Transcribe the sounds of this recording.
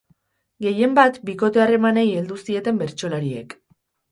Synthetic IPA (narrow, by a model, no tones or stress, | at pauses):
ɡe̞je̞mbat̪biko̞t̪e̞are̞maneije̞ld̪usie̞t̪e̞mbe̞ɾt͡ʃo̞laɾie̞̰k